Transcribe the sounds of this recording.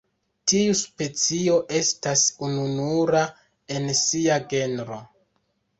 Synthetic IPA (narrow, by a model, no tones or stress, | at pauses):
tiuspe̞t͡sio̞ʔe̞stasununuɾa | e̞nsiaɡe̞nɾo̞